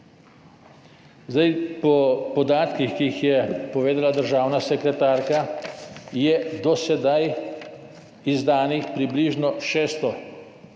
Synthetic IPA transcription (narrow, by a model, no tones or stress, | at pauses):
zd̪ajpɔpɔd̪aːt̪kixkiixjɛpɔʋeːd̪alad̪əɾʒaːwnasɛkɾɛt̪aːɾka | jɛd̪ɔsɛd̪aj | izd̪aːnixpɾibliːʒnɔʃɛːst̪ɔ